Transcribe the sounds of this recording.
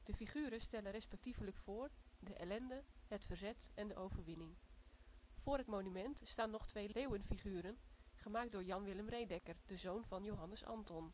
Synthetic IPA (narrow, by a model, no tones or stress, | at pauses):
d̥əfiχyːɾəstɛlərɛspɛk̚tivələkfoːrdəʔɛlɛndəhətfərzɛtɛndəʔowvərʋɪnɪŋ | v̥ʊːrɦətmonymɛntstaːnːɔχtʋejleːwənfiχyːɾənχəmaːk̚t̚dʊɹjɑnʋɪləmrejdɛkərd̥əzownvɑnjowɦɑnəsɑ̰ntɔn